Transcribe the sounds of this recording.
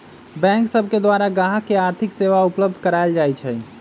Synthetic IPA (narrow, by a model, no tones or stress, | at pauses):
bɛ̃ŋksəbʱked̪ʋaɾaɡaɦakeaɾt̪ʰikseʋaupləb̚d̪ʱkəɾaeld͡ʒajt͡ʃʰɛ